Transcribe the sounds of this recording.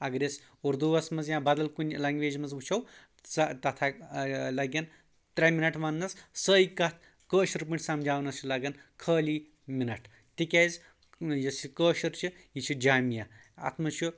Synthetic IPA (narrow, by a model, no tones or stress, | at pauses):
ɐɡɾʲes | uɾd̪uʋɐsmɐzjãbɐd̪ɐlkunʲlɐŋɡʋeːd͡ʒmɐzʋut͡ʃʰɐw | ɐt̪ɐt̪ʰalɐɡʲɐn | t̪ɾɐminɐʈʋɐnːɐssəːikɐt̪̚ʰ | kəːʃɐɾpiɳʈʰʲsɐmd͡ʒaːwnɐst͡ʃʰilɐɡɐnkʰəːliː | minɐʈ | t̪ikʲaz | jɐsikəːʃɐɾt͡ʃʰi | jit͡ʃʰid͡ʒaːmja | ɐ̰t̪ʰmɐt͡ʃʰu